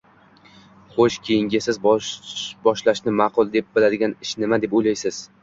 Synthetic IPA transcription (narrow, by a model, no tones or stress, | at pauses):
χoʃkʲʰejɪŋɡʲɪsɪzb | bɒʃlaʃnɪmɑqʰʊlˠd̪e̞p̚bɪlad̪ɪɡʲanɪʃnɪmad̪e̞pojlajsɪz̥